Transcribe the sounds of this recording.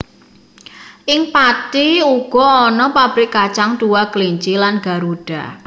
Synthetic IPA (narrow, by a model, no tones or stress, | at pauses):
ʔɪŋpat̪iuɡ̥ɔ̤ɔnɔpab̥ɾikat͡ʃaŋd̪̥uwakəliɲt͡ʃilanɡ̥a̤ɾuɖ̥a̤